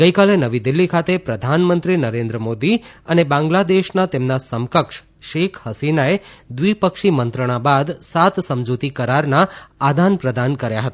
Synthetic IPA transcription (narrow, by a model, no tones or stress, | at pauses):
ɡəjkalenəʋid̪ɪlːikʰat̪epɾəd̪ʱanmənt̪ɾinəɾẽnd̪ɾəmod̪iənebãŋɡlad̪eʃnat̪emnasəmkəkʂ | ʃekʰhəsinaed̪ʋipəkʃimənt̪ɾəɽ̃abad̪sat̪səmd͡ʒut̪ikəɾaɾnaad̪ʱanpɾəd̪ankəɾjaɦət̪a